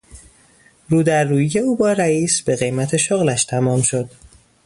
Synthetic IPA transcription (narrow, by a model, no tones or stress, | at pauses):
ruːd̪æɾːuːjije̞uːbɒːɾæiːsb̥e̞ɣe̞jmæt̪ʰe̞ʃoɣlæʃt̪ʰæmɒːmʃo̞d̪̥